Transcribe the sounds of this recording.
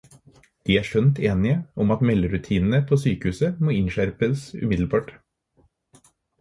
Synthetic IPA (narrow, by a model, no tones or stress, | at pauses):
d̪̥iːæːʂœnt̪ʰeːnɪəʔɔmɑt̪mɛlːəɾʉt̪ʰiːnn̩əpʰoːsyːkəhʉːsəmoːɪnʃæɾpəsʉ̰mɪd̪l̩bɑːʈ